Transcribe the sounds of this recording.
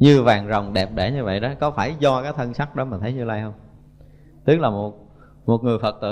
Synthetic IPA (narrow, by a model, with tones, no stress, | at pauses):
ɲɨ˧vaː˨˩ŋzə˨˩wŋ͡mɗɛ˨˩p̚ɗe˧˩ɲɨ˧və̰˧˨jɗɔ˨˦kɔ˨˦faː˧˩jzɔ˧kaː˨˦˥t̪ʰə˧nsa˦˥k̚ɗɔ˨˦ma˨˩nt̪ʰə˨˦jɲɨ˧laː˧jhə˧wŋ͡m | t̪ɨ˦˥k̚laː˨˩mo˨˩t̚ | mo˨˩t̚ŋɨ˨˩əjfə˨˩t̚t̪ɨ̰˧